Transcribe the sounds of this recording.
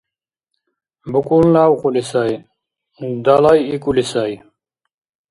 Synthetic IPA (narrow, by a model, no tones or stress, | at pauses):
bukunlaːwqulisaj | d̪alajikulisaj